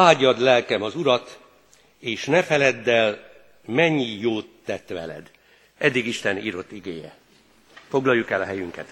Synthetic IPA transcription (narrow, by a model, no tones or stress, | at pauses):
aːɟɒd̪lɛlkɛmɒzuɾɒt̪ | eːʃnɛfɛlɛd̪ːɛl | mɛɲːijoːt̪ːɛt̪ʋɛ̰lɛ̰d̪ | ʔɛd̪ːiɡiʃt̪ɛniːɾo̞t̪ːiɡeːjɛ̰ | fo̞ɡlɒjːukɛlɒɦɛjyŋkɛ̰t̪